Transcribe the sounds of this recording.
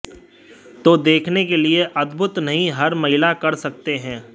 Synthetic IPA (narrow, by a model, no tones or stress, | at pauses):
t̪oːd̪eːkʰnekelieʔɐd̪bʱʊt̪nɐɦĩɦɐɾmɐɦɪlakɐɾsɐk̚t̪eɦɛ̃ː